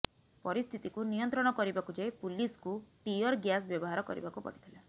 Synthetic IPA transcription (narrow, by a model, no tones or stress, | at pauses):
pɔɾist̪ʰit̪ikunijɔnt̪ɾɔɽ̃ɔkɔɾibakud͡ʒajpuliskuʈijɔɾɡjas̬bjɔbɔɦaɾɔkɔ̰ɾḭbakupɔ̰ɽit̪ʰila